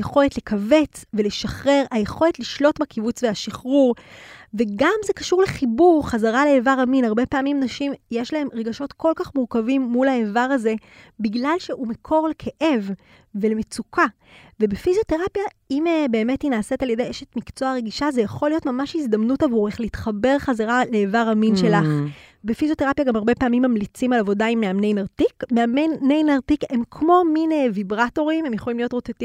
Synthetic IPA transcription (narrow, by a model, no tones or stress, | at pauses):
jeχo̞letlekʰave̞t͡sveleʃaχʁe̞ʁajeχo̞letliʃlo̞tbakivut͡sveaʃiχʁuʁve̞ɡamze̞kḁʃuʁleχibuʁχazaʁaleevaʁaminaʁbe̞paːmimnaʃimjeʃlae̞mʁe̞ɡaʃo̞tko̞lkaχmuʁkavimːulaevaʁaze̞ | biɡlalʃeumekʰo̞ʁlekʰeʔev | velemet͡sukʰa | vebefizijoteʁapja | imebe̞ːme̞tinaːse̞taljedejʔeʃetmikt͡so̞aʁeɡiʃazejaχo̞lijotmamaʃhizd̪ɐmnutavuʁeχleitχabe̞ʁχazaʁaleːvaʁhaminʃe̞laχbefizjo̞teʁapjaɡamaʁbe̞paːmimːamlit͡simalavo̞daimːeamnejnaʁtikmeamenejnaʁtikhe̞mkʰmo̞minevibʁato̞ʁimhemjeχo̞limlijo̞tʁoteti